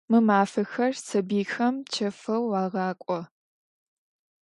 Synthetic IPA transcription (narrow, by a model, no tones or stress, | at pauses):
mɨmaːfɐxɐrsɐbiːxɐmt͡ʃʰɐfɐwːaːʁɑːkʷʼɔ